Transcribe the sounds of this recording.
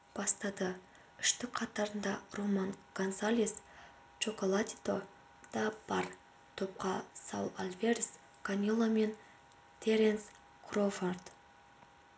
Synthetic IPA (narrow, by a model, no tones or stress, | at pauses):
b̥ɑst̪ɑd̪ə | ʏʃt̪ɪk̚qʰɑt̪ɑɾənd̪ɑromɑnkonsalʲis | t͡ʃo̞ko̞lˠat̪ʲi̥t̪o̞ | d̪̥ɑbɑr | t̪ʰop̚qɑsɑ̰wˠalʲvʲeɾʲɪs | kʰanʲilˠome̞n | t̪ʰeɾens | kʰrofort̪